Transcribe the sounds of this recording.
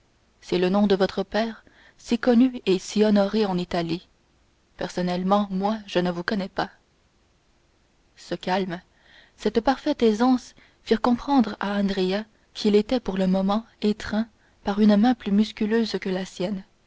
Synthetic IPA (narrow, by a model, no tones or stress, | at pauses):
sɛlənɔ̃d̪əvɔt̪χəpɛːʁ | sikɔnyesiɔnɔʁeɑ̃nit̪ali | pɛʁsɔnɛlmɑ̃mwaʒənəvukɔnɛpa | səkalm | sɛt̪paʁfɛt̪ezɑ̃s | fiʁkɔ̃pχɑ̃d̪ʁaɑ̃d̪ʁea | kʰʲilet̪ɛpuʁləmɔmɑ̃ | et̪χɛ̃ | paʁynmɛ̃plymyskʲyløzkəlasjɛn